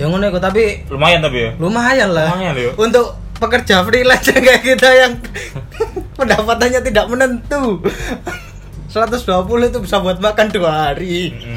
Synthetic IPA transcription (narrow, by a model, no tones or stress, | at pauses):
jaŋunoikut̪ap̬i | lumajant̪apijalumaajanlajaunt̪ʊk̚ | pəkərd͡ʒafɾilad͡ʒakajkit̪ajaŋ | pəndapat̪anɲat̪idaʔ̚mənənt̪u | səɾat̪̬ʊsd̥uapulʊt̪̬ubisarbuat̪̚makanduaɦaɾi